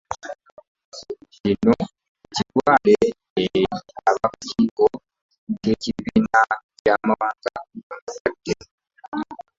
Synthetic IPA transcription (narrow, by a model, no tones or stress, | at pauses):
cino | ciɾwaːleː | aβakaciːko | keciβiːnacamaβaːnzaɡamasad̥ːe